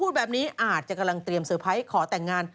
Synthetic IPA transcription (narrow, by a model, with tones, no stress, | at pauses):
uː˥˩t̪̚bɛː˨˩p̚niː˦˥ʔaː˨˩t̪̚t͡ɕa˨˩ka˧mla˧ŋt̪ɾi˧əmsɤː˨˩˦pʰa˦˥jkʰɔː˩˦t̪ɛː˨˩ŋːaː˧n